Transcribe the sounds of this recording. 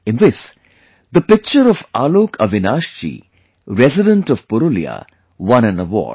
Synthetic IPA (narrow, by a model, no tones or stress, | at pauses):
ɪ̃nʋɪs | d̪əpɪk̚t͡ʃəɾɔfaːloːkʰəʋɪnaːʃt͡ʃḭː | ɾɛzɪɖə̃ɳʈɔʋpʊɾulḭa̰ | ʋʌ̃næ̃nəʋɔ̰ːɖ